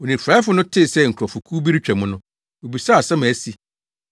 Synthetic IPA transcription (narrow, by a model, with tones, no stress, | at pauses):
wo˨nĩ˨fɾa˦fʊ˦nʊ̃˦tʰɪ˦˨sɛ˦˨ŋ̩˨kʰɔ˨fʊ˨kʰuː˦bi˦ɾi˦t͡ɕᶣɛ˨mʊ̃˦nʊ̃˦ | o˨bi˨sa˦˨sɛ˦mã˨æ˨si˨